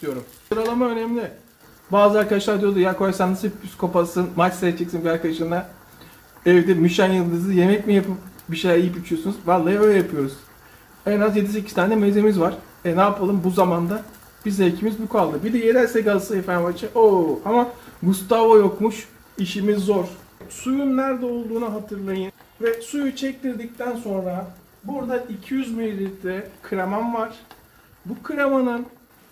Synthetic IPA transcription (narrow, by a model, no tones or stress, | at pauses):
d̪̥ijo̞ɾumsɯɾalˠamaø̞nɛmlʲɪ | baːzɯaɾkad̪aʃlˠaɾd̪ijo̞d̪ujakʰojasanːasɯpʰyskʰo̞pasɯnmat͡ʃseɛd͡ʒɛcsinbiaɾkad̪aʃɯmd̪a | ɛvd̪imyʃænjɯlˠd̪ɯzɯje̞mɛc̚mijapʰɯpbiʃejlʲæɾijipit͡ʃʰyjo̞sunuzvaɾlˠːajaøjlʲɛjapʰɯjo̞ɾuz̥ | ɛnazje̞d̪is̬ecʰist̪ʰaːnd̪ɛmezemizvaɾ̥ | ɛnaːpʰalˠɯmbuzamand̪a | b̥izlɛlcʰimizbukʰalˠd̪ɯbid̪ɛjelæɾsɛkalˠsaefænvat͡ʃʰaoamaɡust̪avojokmuʃ | iʃimizːoɾsujunnæɾd̪ɛo̞lˠd̪uːnaɦat̪ʰɯɾlˠajɯn | vɛsujut͡ʃʰɛc̚t̪ʰiɾd̪ic̚t̪ʰænso̞nɾa | buɾd̪aicʰijyzmilʲilit̪ʰɛkʰɯɾamanvaɾ̝̥ | bukʰɯɾamanɯn